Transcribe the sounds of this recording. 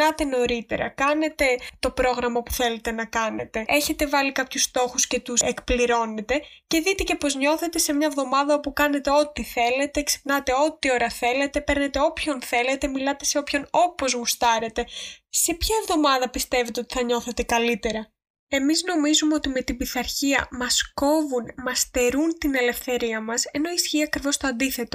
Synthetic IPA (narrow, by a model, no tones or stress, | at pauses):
ɐt̪e̞no̞ɾit̪e̞̰ɾɐ̰kɐne̞t̪e̞t̪o̞pɾo̞ɣɾɐmɐpu̥θe̞le̞t̪e̞nɐkɐne̞̰t̪e̞e̞çe̞t̪evɐlikɐpçust̪o̞xusce̞t̪uekpliɾo̞ne̞t̪e̞ce̞ðit̪e̞ce̞po̞zɲo̞θe̞t̪ese̞mɲɐevðo̞mɐðɐopukɐne̞t̪e̞o̞t̪iθe̞le̞t̪e̞kse̥pnɐt̪e̞o̞t̪io̞ɾɐθe̞le̞t̪e̞pe̞ɾnet̪eo̞pço̞nθe̞le̞t̪e̞milɐt̪e̞̥se̞o̞pço̞no̞po̞zɣust̪ɐɾe̞t̪e̞se̞pçɐevðo̞mɐðɐpist̪e̞vet̪eo̞t̪iθɐɲo̞θe̞t̪e̞kɐlit̪e̞ɾɐ | e̞mizno̞mizumeo̞t̪ime̞t̪ibiθɐɾçiɐ̰mɐsko̞vunmɐst̪e̞ɾunt̪ine̞le̞fθe̞ɾiɐmɐse̞no̞isçiːɐkɾivo̞st̪oɐnd̪iθe̞t̪o̞